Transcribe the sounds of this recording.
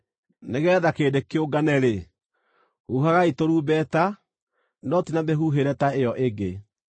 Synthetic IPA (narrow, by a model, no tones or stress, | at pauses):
neɣɛːðakeːdekeoɡanɛɾe | huɦaɣaitoɾuːbɛta | nɔtinameɦuːɦeɾɛtaejɔʔeɡe